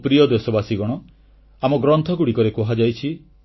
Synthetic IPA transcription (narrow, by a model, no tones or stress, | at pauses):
pɾijɔd̪esɔbasiɡɔɽ̃ɔ | amɔɡɾɔnt̪ʰɔkuɽikɔɾekɔɦad͡ʒajt͡ʃʰi